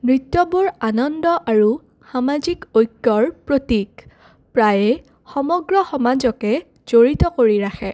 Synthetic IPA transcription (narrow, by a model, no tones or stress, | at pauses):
mɹitːɔbuɹanɔndɔʔaɹu | xamazikojkːɔɹpɹotik | pɹajɛ | xɔmɔɡɹɔxɔmazɔkɛ | z̥oɹitɔkoɹiɹaxʰɛ